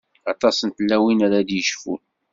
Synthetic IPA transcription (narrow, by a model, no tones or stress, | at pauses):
ɑt̪ˤɑsənt̪lːæwinaɾad̪jəʃfṵ